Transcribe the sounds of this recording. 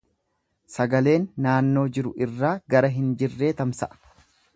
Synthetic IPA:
sɐɡɐle̞ːnːaːnːo̞ːd͡ʒɪɾʊɪrːaːɡɐɾɐɦɪnd͡ʒɪrːe̞ːt̪ɐmsɐʔɐ̥

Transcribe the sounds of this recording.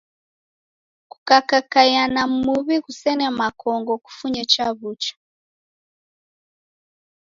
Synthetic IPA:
ku̥kakakajanamuβiɣusɛnɛmakɔŋɡɔku̥fuɲɛt͡ʃaβut͡ʃḁ

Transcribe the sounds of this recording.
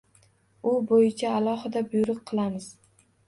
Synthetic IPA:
ʊbojɪt͡ʃʰaːlˠɒɦɨd̪abʊjɾɨq̚qʰɨlˠamɪz̥

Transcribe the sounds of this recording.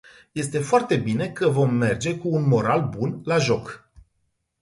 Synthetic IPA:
je̞st̪e̞foart̪e̞bine̞kəvo̞mːe̞rd͡ʒe̞kuːnmo̞ɾalbunlaʒo̞k

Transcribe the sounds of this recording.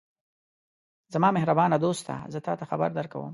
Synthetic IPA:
zamɑmɪɦɾabɑnad̪ost̪ʰa̰zət̪ɑt̪axaba̰ɾd̪əɾka̰wə̰m

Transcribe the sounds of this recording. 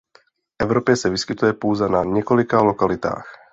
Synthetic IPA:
fʔɛvɾopjɛsɛvɪskɪt̪ujɛpoːzɛnaɲɛko̞lɪkalokalɪt̪a̰ːx

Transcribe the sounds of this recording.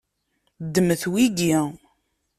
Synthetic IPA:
d̪ːəməθwiɡi

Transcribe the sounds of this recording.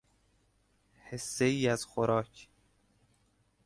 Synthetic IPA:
hesːeiːæz̥xoɾɒːcʰ

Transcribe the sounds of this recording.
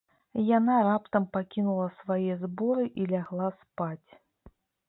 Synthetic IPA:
janaɾapt̪ɐmpakʲinulˠɐsvajɛzbɔɾɨʔilʲaɣlˠaspat͡sʲ

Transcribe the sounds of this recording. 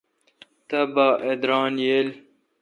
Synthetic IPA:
t̪ɐbaːʔed̪ɾɑːnjel

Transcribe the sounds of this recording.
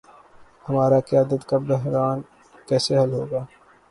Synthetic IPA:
hɐmaːɾaqijaːd̪ət̪kabɛɦɾaːn | kɛːseɦɐlɦoːɡaː

